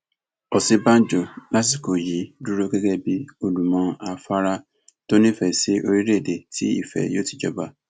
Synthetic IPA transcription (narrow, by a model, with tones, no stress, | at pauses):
ɔ˨si˦bã˦n˦d͡ʒo˨la˦s̬i˨ko˨ji˨du˦ɾo˦ɡe˦ɡɛ˦bi˦o˦du˨mɔ̃˨˧a˨fa˦ɾa˦ | to˦nĩ˦fɛ˨se˦ʔo˦ɾi˦ɾe˦˨de˨tḭ˦ḭ˨fɛ̰˨jo˦ti̥˨d͡ʒɔ˨ba˦